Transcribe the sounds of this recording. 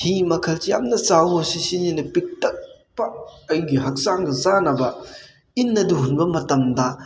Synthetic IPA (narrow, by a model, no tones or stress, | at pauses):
himɐkʰɐlsejamnɐsawosisininɐpik̚tɐk̚ | pɐɐjɡiɦɐk̚saŋɡɐzanɐbɐ | inːɐduɦunbɐmɐtɐmdɐ